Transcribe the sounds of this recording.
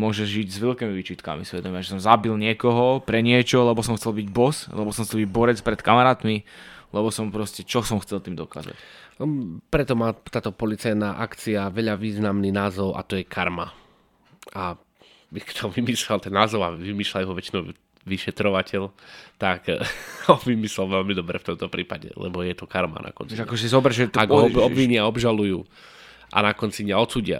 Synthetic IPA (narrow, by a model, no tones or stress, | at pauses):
mʊɔʒɛʒʒiɟzʋɛʎkɛːmiʋit͡ʃiːt̪ka̰misʋɛd̪ɔmɪaʒɛsɔmzabilɲɪɛkɔɦɔpɾɛɲɪɛt͡ʃɔlɛbɔsɔmxt͡sɛlbiɟbɔslɛbɔsɔmxt͡sɛlbiɟbɔɾɛt͡spɾɛt̪kamaɾaːt̪milɛbɔsɔmpɾɔscɛt͡ʃɔsɔmxt͡sɛlt̪iːmd̪ɔka̰ːza̰c | pɾɛt̪ɔmaːt̪aːt̪ɔpɔlit͡sajnaːʔakt͡siaʋɛʎaʋiːznamninaːzɔʊʔa̰t̪ɔjɛkʰaɾma | ʔa | bikt̪ʰɔʋimiːʃlɛlt̪ɛnːaːzɔʊaʋimiːʃlajɦɔʋɛt͡ʃinɔʊ | ʋiʃɛt̪ɾɔʋacɛʎt̪akɔʋimislɛlʋɛʎmid̪ɔbɾɛft̪ɔmt̪ɔpɾiːpaɟɛ̰lɛ̰bɔjɛt̪ɔkaɾma̰nʔa̰kɔ̰nt͡siakɔʒɛzɔbɾɛʒɛt̪aɡɔbʋiɲɪaɔbʒalujuː | ʔa̰nakɔnt͡siɲɲaɔt̪t͡suːɟɪa̰